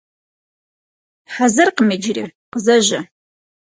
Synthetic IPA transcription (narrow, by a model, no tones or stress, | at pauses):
ħazɐrqəmed͡ʒɪrḭqəzɐʑɐ